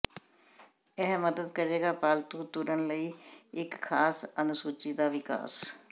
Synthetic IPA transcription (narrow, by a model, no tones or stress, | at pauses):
ɛɦməd̪əd̪kəɾeːɡaːpaːlt̪uːt̪ʊɾənləiːɪkʰːaːsənʊsuːt͡ʃiːd̪aːʋɪka̰ːs